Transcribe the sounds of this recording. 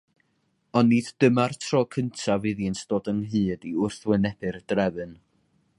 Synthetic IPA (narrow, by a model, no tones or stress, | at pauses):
ɔnːidd̥əmartʰrɔːkʰəntʰavɨðjɨnsd̥oːdəŋɦɨːdiʊrθwɛnɛb̥ɨrd̥rɛvɨn